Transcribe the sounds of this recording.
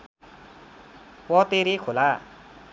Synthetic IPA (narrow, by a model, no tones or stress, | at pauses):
wʌt̪eɾekʰola